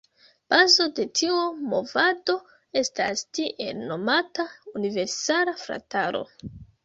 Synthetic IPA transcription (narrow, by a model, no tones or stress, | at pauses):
b̥azo̞de̞tʰiumo̞̰vado̞ | e̞stastiʔe̞lno̞mataunive̞ɾsalafɾa̰taɾo̞̰